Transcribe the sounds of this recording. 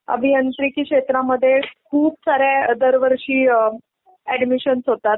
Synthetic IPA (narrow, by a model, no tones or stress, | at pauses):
ə̰bʱiənt̪ɾikiːkʂet̪ɾaməd̪ʱːjekʰuːpsaɾed̪əɾʋəɾɕiː | æɖmiɕənsɦot̪at̪̚